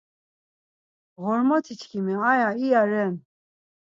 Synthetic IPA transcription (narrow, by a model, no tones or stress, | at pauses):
ɣɔɾmɔt̪ʰit͡ʃʰkʰimɛajaiaɾɛn